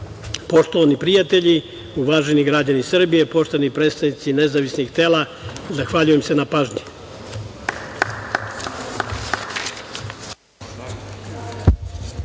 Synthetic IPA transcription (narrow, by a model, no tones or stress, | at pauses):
po̞ʃt̪oʋanipɾijat̪eʎi | uʋaːʒeniɡɾad͡ʑanisr̩bije̞po̞ʃt̪onipɾe̞ːt̪st̪avnit̪sine̞zaʋisniɡt̪e̞ːla | zaxʋaːʎuje̞mse̞napaːʒɲɛ̥